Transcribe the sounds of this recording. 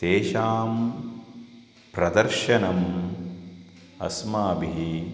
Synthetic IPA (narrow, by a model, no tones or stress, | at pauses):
t̪eːʃaːm | pɾɐd̪ɐɾʃɐnɐm | ɐ̰smaːbiɦi